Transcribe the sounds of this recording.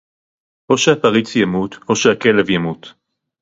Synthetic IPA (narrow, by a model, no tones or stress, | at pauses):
ʔo̞ʃeapaʁit͡sjamut̪ʰo̞ʃehake̞levjamut